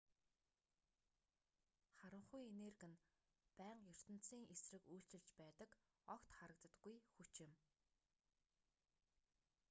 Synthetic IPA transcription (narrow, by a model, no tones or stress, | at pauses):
χaɾə̆ɴχujenerɣɘ̆n | pæːɴqjʊr̥t̪ɘ̆n̥siːŋʔesrɘ̆kujɬt͡ɕɪ̆ɮt͡ɕpæːt̪ə̆k | ɔkt̪χaɾə̆k̚t̪ə̆t̪ɡujxut͡ɕɪ̆m